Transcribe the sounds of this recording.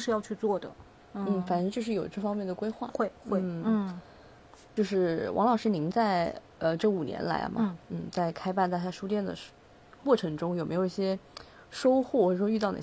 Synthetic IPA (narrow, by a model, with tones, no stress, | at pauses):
ʂ̩˥˧jɑ˥˧ʊt͡ɕʰy˥˧t͡swɔ˥˩d̪ə̰˩ | n̩˥˩fa˨˩nɤ˧˥t͡ɕjʂ̬ɻ̩˥˩jo˨˩ʊʈ͡ʂɤ˥˩fɑ˥ŋmjɛ˥˩nd̪ə˩kwe˥ɪxwa̰˥˩we˥˧xwe˥˩˥ | t͡ɕjo˥˧ʊʂɻ̩˥˩wʔɑ̰˧˥ŋlɑ˨˩ʊʂɻ̩˥˧ni˧˥ŋt͡sa˥˧ɪ | ə˧ʈ͡ʂɤ˥˩u˨˩njɛ̰˧˥nla̰˧˥ɪl̰mɐ̰˥˩n̩˥˩t͡sa˥˩ɪkʰa˥ɪpa˥˧nt̪a˥˧t͡ɕja˥˩ʂu˥t̪jɛ˥˩nd̪ə̰˩ | kwɔ˥˩ʈ͡ʂʰɤ˧˥ŋʈ͡ʂʊ˥ŋjʊme˧˥jo˨˩˧i˥˩ɕjɛ˥ | ʂo˥ʊxwɔ˥˩xwɔ˥˩ʈ͡ʂə˨˩ʂwy˥˧t̪ɑ˥˩n̰˥˧˩